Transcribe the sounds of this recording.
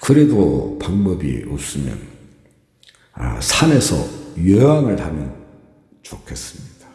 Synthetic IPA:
kɯɾedo̰paŋbʌbḭos͈ɯmjʌ̰n | a̰sʰane̞sʰʌ̰jeaŋɯɭhamjʌn | t͡ɕokʰe̞s͈ɯ̥mɲid̥a

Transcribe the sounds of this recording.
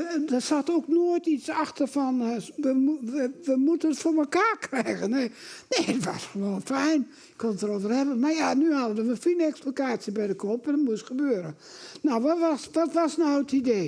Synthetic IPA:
dɔsatoknoətit͡saxtərfɔnʋəuəʋəmutənətfoːməkaːkʰrɛjɣəneneːtʋɔ̰sxəʋoːnfɛjn | ɪkʰonətərovərɛbənmajanyhaədəʋəfinɛksplokaːsjəbɛjdəkʰopɛndɔtmuəsxəbøːəɾə | nawʋɔsʋɔtʋɔsnawətideː

